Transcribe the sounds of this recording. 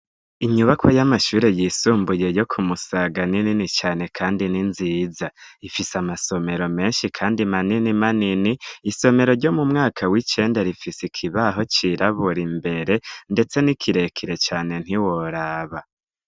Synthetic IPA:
iɲuβakʰojamaʃuːɾe̞jiːsuːmbuje̞jo̞kʰumusaɡanininit͡ʃaːne̞kʰaːndininziːzaifisamaso̞me̞ɾo̞me̞ːnʃikʰaːndimaninimaniniːso̞me̞ɾo̞ɾɟo̞mumŋaːkʰawit͡ʃe̞ːndaɾifisikʰiβaɦo̞t͡ʃiɾʔaβuɾimbe̞ɾe̞nde̞t͡senikʰiɾe̞kʰiɾe̞t͡ʃaːne̞n̥hiwoɾaːβa

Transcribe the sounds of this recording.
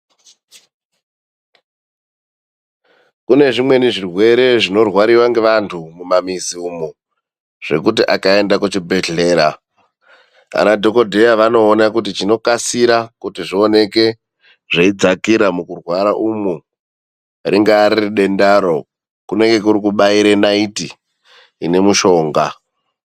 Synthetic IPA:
kune̞ʐimwe̞niʐirwe̞ɾe̞ʐino̞rwaɾiwaŋɡe̞ʋantʰumumamiziumu | ʐ̥e̞kutiʔakae̞ndakut͡ʃibʱeɮe̞ːɾa̰ | a̰nadʱo̞ko̞dʱe̞jaʋano̞ːnakutit͡ʃino̞kasiɾakutiʐio̞ne̞ke̞ | ʐeid͡zakiɾamukurwaɾaʔumu | riŋɡaːɾiriɗe̞ndaɾo | kune̞ŋɡe̞kuɾikuɓaiɾenaitiː | ne̞muʃo̞ːŋɡa

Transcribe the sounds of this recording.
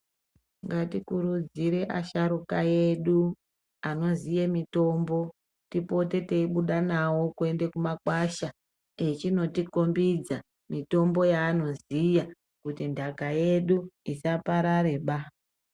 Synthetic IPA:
ŋɡatikuɾud͡ziɾe̞ʔaʃaɾukaje̞ɗu | ano̞zijemito̞mbo̞ | tipo̞te̞teiɓuɗanawo̞kue̞nde̞kumakwaʃa | et͡ʃino̞tiko̞mbid͡za | mito̞mbo̞jaːno̞zija | kutindʱakaje̞ɗuisapaɾaɾe̞ɓa

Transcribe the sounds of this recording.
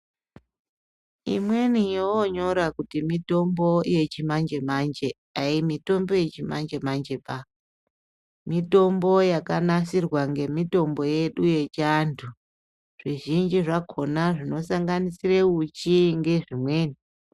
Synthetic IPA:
ḭmwe̞nijoɲo̞ɾakutimito̞mbo̞je̞t͡ʃimand͡ʒe̞mand͡ʒe̞ | aimito̞mbo̞je̞t͡ʃima̰nd͡ʒe̞mand͡ʒe̞pa | mito̞mbo̞jakanasirwaŋɡe̞mito̞mbo̞je̞ɗuje̞t͡ʃantʰu | ʐ̥iʒind͡ʒiʐakʰo̞naʐino̞saŋɡanisireut͡ʃiŋɡe̞ʐimwe̞ːni

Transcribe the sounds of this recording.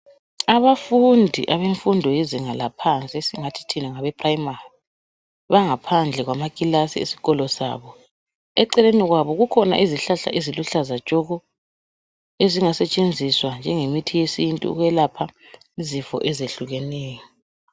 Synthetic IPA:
aβafundʱḭʔaβeɱfundʱɔjeziŋalapʰant͡sʼiesiŋatʰi̥tʰinaŋaβɛpʰʼrajimari | βaŋapʰand͡ɮʱɛɣwamakʼilasiḛsi̥ɣɔlɔsa̰ːβɔ | ɛǀɛleniɣwaβɔɣukʰɔna̰ʔiziɬaɬa̰ʔeziluɬazat͡ʃʼɔɣɔ | eziŋasɛt͡ʃʼend͡zʱiswand͡ʒʱɛŋemitʰijesintʼṵṵɣɛlapʰa | izifɔ̰ʔɛzeɬuɣɛnɛːjɔ

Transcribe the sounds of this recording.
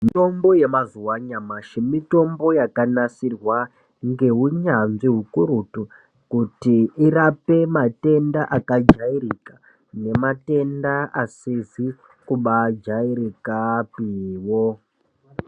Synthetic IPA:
mito̞mbo̞je̞mazuwaɲamaʃemito̞mbo̞jakanasirwa | ŋɡe̞ɦuɲanʐiɦukuɾutu | kutiirape̞mate̞ndaʔakad͡ʒairika | ne̞mate̞ndaasizi | kuɓad͡ʒaiɾikapiwo

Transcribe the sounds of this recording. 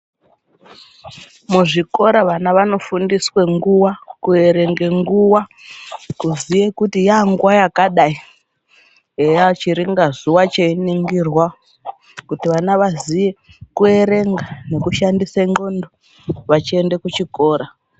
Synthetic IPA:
muʐiko̞ɾaʋanaʋano̞fundiswe̞ŋɡuwakue̞ɾe̞ŋɡe̞ŋɡuwa | kuzijekutijaŋɡwajakaɗai | ejat͡ʃiɾiŋɡazuwat͡ʃeiniŋɡirwa | kutiʋanaʋazije̞kue̞ɾe̞ŋɡane̞kuʃandiseŋɡo̞ndo | ʋat͡ʃie̞ndekut͡ʃiko̞ːɾa

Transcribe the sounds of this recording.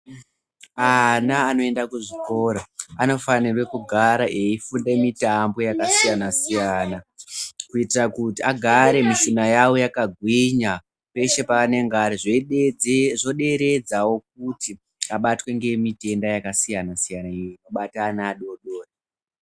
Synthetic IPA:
anaːno̞e̞ndakuʐiko̞ɾaano̞fanirwe̞kuɡʱaɾaʔe̞ifundemitambo̞jakasijanasijanakuitirakutiaɡʱaɾe̞misinajawo̞jakaɡʱwiɲa | pe̞ʃe̞paːne̞ŋɡaɾiʐ | ʐo̞ɗe̞ɾe̞d͡zawo̞k̚uti | aɓatwe̞ŋɡe̞mite̞ndajakasijanasijanaiinoɓataːnaːɗo̞ɗo̞ːre

